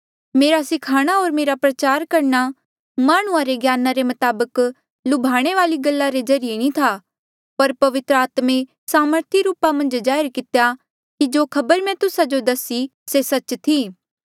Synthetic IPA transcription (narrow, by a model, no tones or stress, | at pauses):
meːɾasɪkʰaːɽ̃aɦoːɾmeːɾapɾɐt͡ʃaːɾkɐɾna | maːɽ̃ũãɾeɡjaːnãɾemɐt̪aːbək | lʊbʱaːɽ̃eʋaːliɡɐlːaɾezɐɾɪjenĩt̪ʰaː | pɐɾpɐʋɪt̪ɾəaːt̪mẽ | saːməɾt̪ʰiɾuːpamɐ̃nd͡ʒd͡ʒaːjɪɾkɪt̪eja | kid͡ʒoːkʰɐbəɾmɛ̃t̪ʊsad͡ʒod̪ɐsi | sesɐt͡ʃt̪ʰiː